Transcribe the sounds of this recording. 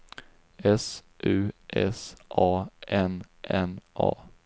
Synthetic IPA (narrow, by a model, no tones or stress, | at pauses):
ɛs | ʔʉːʔɛ̰sʔɑːʔɛnʔɛnʔɑ̰ː